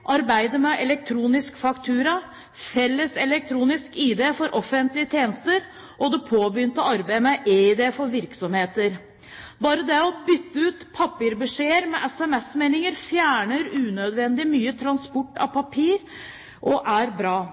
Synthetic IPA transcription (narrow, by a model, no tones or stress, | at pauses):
ʔɑɾbæɪd̪əmɛʔɛlɛk̚t̪ʰɾuːnɪskfɑkt̪ʰʉːɾɑ | fɛlːəsɛlɛk̚t̪ʰɾuːnɪskid̪eːfɔɾʔɔfənt̪lɪət̪ʰjeːnəst̪əɾ | ʔɔd̪ɛpʰoːbɾʏnt̪əɑɾbæɪmɛʔeɪd̪eːfɔɾʋɪɾksɔmheːt̪əɾ | bɑːɾəd̪ɛɔbʏt̪ːəʉːt̪pʰɑpːɪɾbəʂeːəɾmɛʔɛsɛmɛsmeɪnɪŋəɾfjæːɳəɾʉːnœd̪ʋɛnd̪ɪmyːət̪ʰɾɑnspɔʈːɑ̰pʰɑpʰiːɾ | ʔɔʔæɾbɾɑː